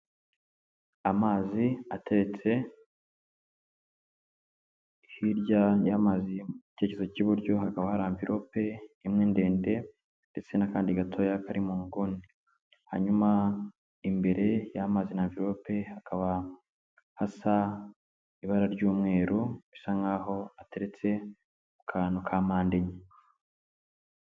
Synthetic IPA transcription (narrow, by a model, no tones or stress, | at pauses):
amaːziatʰe̞βet͡se̞ | hiɾɟajamaziui̥te̞ːcezociβuɾɟo̞hakaβahaɾaiɱviɾʔo̞pe̞imŋeːnde̞ːnde̞ | nde̞t͡se̞nakaːndiɡatʰo̞jakaɾimuːŋɡuni | ha̰ɲuma | imbe̞ɾe̞jamazenaɱviɾo̞pe̞hakʰaβa | hasa | iβaɾaɾɟuːmŋe̞ːɾuisaŋaɦo̞ate̞ɾe̞t͡se̞ | ukʰanukʰamaːnde̞ɲe